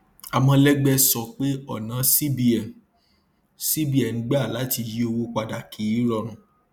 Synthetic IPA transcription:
a˨mɔ̃˧lɛ˦ɡ͡bɛ˧sɔ˨k͡pe˦ɔ˦˨nã˨˦si˦bi˧ɛ˨ | si˦bi˦ɛ˨ñ̩˨˦ɡ͡ba˦˨la˨˦ti˧ji˦o˧wo˦k͡pa˧da˨kʰi˨˦i˦ɾɔ˧˨ɾ̃ũ˨

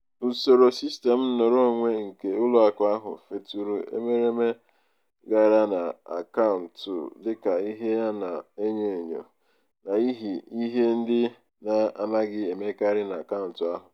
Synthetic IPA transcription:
u˨so˨ɾo˨si˦ste˨m̩˦no˨ɾo˦˨ŋʷe˦ŋ̩˨ke˨ʊ˦lʊ˨˦a˨kʊ˨a˦ɦʊ̰˨fe˦tu˦ɾu˦ḛ˦me˦ɾe˦me˦ | ɡa˨ɾa˦na˨a̰˨ka˦ʊ˨n̩˨tʊ̰˨dɪ˦ka˨i˦ɦe˦ja˦na˨e˦ɲe˨ɲo̰˨ | na˨i˦ɦi˨i˦ɦe˦n̩˦dɪ˦ | na˨a˨ma˦ɡɪ˦e˨me˦ka˦ɾɪ˦na˨a˨ka˦ʊ˨n̩˨tʊ˨a˦ɦʊ˨

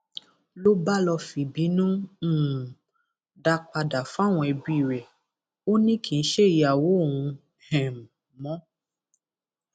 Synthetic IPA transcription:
lo˦ba˦lɔ˧fi˨bi˨˦nũ˦˨ | da˧k͡pa˧da˨fa˦˨w̃ɔ̃˧ɛ˧bi˧˦i˦˨ɾɛ˨ | o˦nĩ˦kʰi˨n̩˦ʃe˦˨ji˧˦a˨wo˨˦o˦˨wũ˧ | hɛ̃˨m˨ | mɔ̃˨˦

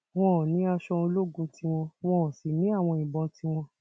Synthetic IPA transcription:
w̃ɔ̃˦˨nĩ˨˦a˧ʃɔ˧o˧lo˦˨ɡũ˧tʰi˦w̃ɔ̃˧w̃ɔ̃˧˦˨si˨nĩ˨˦a˦˨w̃ɔ̃˧ĩ˨bɔ̃˧ti˦w̃ɔ̃˧

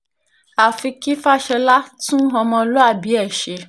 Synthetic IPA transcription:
a˨fi˧ki˦fa˦ʃɛ˧la˦tũ˦ɦɔ̃˧mɔ̃˧lo˦a˧˨bi˨˦ɛ˦˨ʃe˧

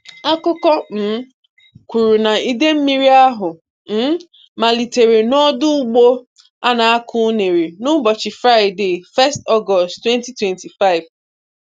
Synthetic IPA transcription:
a˦kʊ˦kɔ˦m̩˨˦ | kʷu˨ɾu˨na˨i˦de˦m̩˦mi˦ɾi˦a˦ɦʊ˨ | m̩˦ | ma˨li˨te˨ɾe˨nɔ˦dʊ˦ʊ˦ɡ͡bo˦ | a˦na˨a˦kʰʊ˦ne˨ɾi˨nʊ˦bɔ˨t͡ʃɪ˨fɾa˦ɪ˨de˦˨fɛ˦stɔ˦ɡɔ˨sttːwɛ˦nti˦twɛ˨nti˨fa˦ɪ˨v

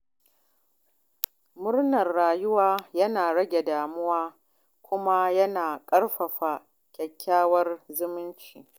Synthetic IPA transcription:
mʊ˦rnɐ˨rːaː˨jʊ˦waː˦jɐ˦naː˨ɽɐ˦ɡʲe˨daː˨mʊ˦waː˦ | kʷʊ˦ma˦jɐ˦naː˨kʼɐ˦ɽɸɐ˨ɸa˨ | kʲʼɛ˨kʲːaː˦wɐ˦rzʊ˦mɪ˦nt͡ʃiː˨

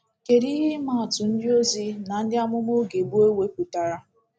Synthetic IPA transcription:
ke˨ɾi˦ɦɪ˦ma˦˨tʊ˨n̩˦dɪ˦o˦zi˦na˨n̩˦dɪ˦a˦mʊ˦mo˦ɡe˨bu˦e˦we˦ku˨ta˨ɾa˦

